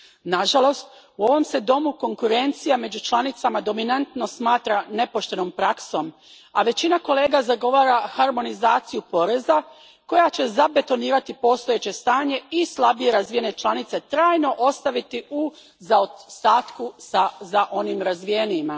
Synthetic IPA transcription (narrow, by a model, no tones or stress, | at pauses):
naʒalo̞st̪ | uo̞ʋo̞mse̞d̪o̞muko̞ŋkuɾe̞nt̪sijame̞d͡ʑut͡ʃlˠanit̪samad̪o̞minant̪no̞smaːt̪ɾane̞po̞ʃt̪e̞no̞mpɾakso̞m | aʋe̞t͡ɕinako̞le̞ːɡazaɡo̞ʋaːɾaxaɾmo̞nizaːt̪sijupo̞ɾe̞za | ko̞jat͡ɕe̞zabe̞t̪o̞niːɾat̪ipo̞st̪o̞je̞t͡ɕe̞st̪aːɲe̞islˠabije̞ɾazʋije̞ne̞t͡ʃlˠanit̪set̪ɾaːjno̞ʔo̞st̪aʋit̪iu | zaost̪aːt̪kusazaʔo̞nimɾazʋije̞nima